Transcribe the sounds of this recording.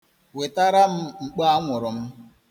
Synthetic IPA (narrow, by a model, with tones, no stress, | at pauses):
we˨ta˦ɾa˦m̩˦ŋ͡m̩˨k͡pa˦a˦ŋʷʊ˨ɾʊ˨m̩˦